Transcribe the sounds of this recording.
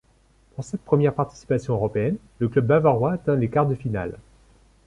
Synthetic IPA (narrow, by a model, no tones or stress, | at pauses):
puʁsɛt̪̚pχəmjɛʁpaʁt̪i̥si̥pasjɔ̃øʁɔpeɛn | ləklœbːavaʁwaːt̪ɛ̃lekaʁt̪̚d̪əfina̰l